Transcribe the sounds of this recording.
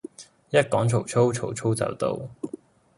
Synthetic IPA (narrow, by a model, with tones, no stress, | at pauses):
jɐ˥t̚kɔː˨˥ŋt͡sʰo˨˩wt͡ʃʰo˥wt͡ʃʰo˨˩wt͡ʃʰo˥wt͡sɐ̰˨wt̪o̰˨˧w